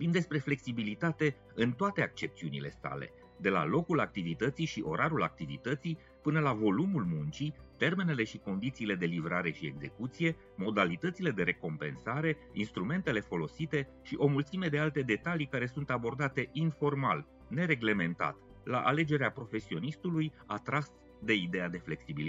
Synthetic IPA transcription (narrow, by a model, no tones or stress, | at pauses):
vobimd̪e̞spɾe̞fle̞ksibilit̪at̪e̞ | ɨnt̪oat̪e̞ak̚t͡ʃe̞pt̪siunile̞̰sa̰le̞̰ | d̪e̞la̰lo̞kulak̚t̪ivit̪ət̪siʃiʔo̞ɾaɾula̰k̚t̪ivḭt̪ət̪si | pɨnəlavo̞lumulmunt͡ʃit̪e̞rmene̞le̞ʃiko̞nd̪it̪siːle̞d̪e̞livɾaɾe̞ʃie̞̰ɡze̞̰kut̪sije̞ | mo̞d̪alit̪ət̪siled̪e̞ɾe̞ko̞mpe̞̰nsaɾe̞inst̪ɾume̞nt̪e̞le̞fo̞lo̞sit̪e̞ | ʃiʔo̞mult̪simed̪e̞alt̪e̞d̪e̞t̪alikaɾe̞sunt̪abo̞rd̪at̪e̞ʔinfo̞rma̰l | ne̞ɾe̞ɡle̞me̞nt̪a̰t̪ | la̰ʔale̞d͡ʒe̞ɾeapɾo̞fe̞sio̞nist̪uluj | at̪ɾas | d̪e̞id̪e̞ad̪e̞fle̞ksibili